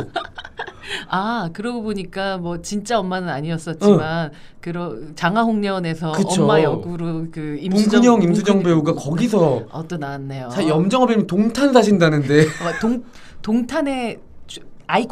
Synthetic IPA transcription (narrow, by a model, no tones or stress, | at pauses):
akɯɾʌɡoboɲik͈amwʌt͡ɕint͡ɕ͈aʌmːanɯnaɲiʌs͈ʌt̚t͡ɕ͈iman | kɯɾʌt͡ɕaŋaɦoŋɲʌne̞s̬ʰʌkɯːt͡ɕʰomːajʌɡuɾokɯimpuŋɡuɲʌŋimsʰuɲʌŋbe̞uɡakʌɡis̬ʰʌʌt͈ʌnanːejosʰaɕijʌmd͡ʑʌŋɦʌbimintoŋtʰansʰaɕ̬ʰindanɯnde̞toŋ | toŋtʰane̞ | t͡ɕaik